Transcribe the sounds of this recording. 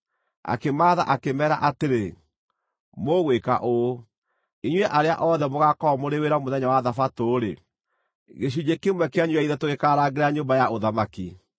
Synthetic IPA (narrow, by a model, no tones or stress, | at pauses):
a̰kemaːða̰ʔakemɛːɾa̰ʔateɾe | moɣweka̰ʔo | iɲwɛʔaɾea̰ʔɔːðɛmoɣakɔmoɾeweɾamoðɛɲawaðafatoːɾe | ɣeɕ̬ud͡ʑekemwɛkeaɲwaiðɛtoɣekaɾaːɡeɾaɲoːmbajaʔoðamaki